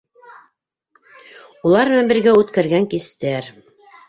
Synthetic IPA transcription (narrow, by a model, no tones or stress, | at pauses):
ulˠɑɾmɘ̆næmbɘ̆ɾɡæʉt̪kæɾɡæŋkist̪æɾ